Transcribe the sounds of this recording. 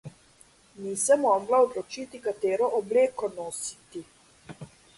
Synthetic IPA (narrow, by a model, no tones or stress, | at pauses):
niːsɛmːɔːɡlaɔd̪lɔt͡ʃiːt̪ikat̪eːɾɔʔɔbleːkɔnoːsi̥t̪i